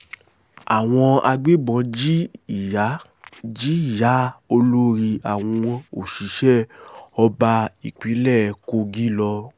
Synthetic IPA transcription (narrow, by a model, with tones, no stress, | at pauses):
a˨w̃ɔ̃˧a˧ɡ͡be˦ɡ͡bɔ̃˧˦d͡ʒi˦˨a˨˦ | d͡ʒi˦i˦˨ja˨˦o˧lo˦ɾi˧a˨w̃ɔ̃˧o˨ʃi˨˦ʃɛ˦ɔ˧ba˧i˨k͡pi˨˦lɛ˦˨ko˧ɡi˦lɔ˧